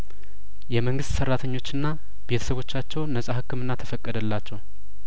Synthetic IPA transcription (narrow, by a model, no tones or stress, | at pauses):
jɛməŋɡɨst̪səɾːat̪ʰəɲːo̞t͡ʃːɨnːa | be̞t̪ʰə̥səβo̞t͡ʃːat͡ʃːɛwnəsʼahɨkːɨmɨnːat̪ʰəfəkʼːəd̪əlːat͡ʃːɛw